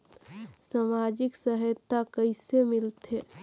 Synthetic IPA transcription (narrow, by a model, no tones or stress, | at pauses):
samad͡ʒɪksəɦəjt̪ʰːakəɪsemɪlt̪ɦɛː